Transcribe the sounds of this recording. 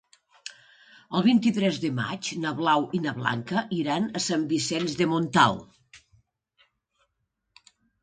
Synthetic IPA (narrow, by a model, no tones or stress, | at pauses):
əlˠβint̪it̪ɾɛzðəma̰d͡ʒnəβlawinəβla̰ŋkəʔiɾanəsambisɛnzðəmunt̪a̰lˠ